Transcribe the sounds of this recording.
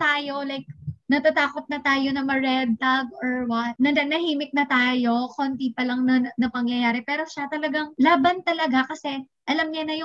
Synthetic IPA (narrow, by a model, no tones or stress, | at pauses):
t̪aːjo̞lajk̚nɐt̪at̪aːkot̪̚nɐt̪aːjo̞nɐmɐɹɛd̪̚t̪aɡoɹwɐt̪̚nɐɐnɐhiːmɪk̚nɐt̪aːjo̞kont̪ipɐlɐŋnɐnɐpɐŋjɐjaːɾɛpɛːɾo̞ʃat̪ɐlɐɡaŋlaːbɐnt̪ɐlɐɡakɐsɛ | ʔɐlɐmɲɐnɐjo